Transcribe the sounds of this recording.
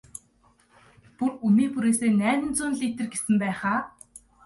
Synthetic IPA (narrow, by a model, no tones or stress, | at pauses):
purumiːpuɾeːseːnæːnɘ̆nt͡sʊːnɮiːt̪ɘ̆rɡesɘ̆mpæːχaː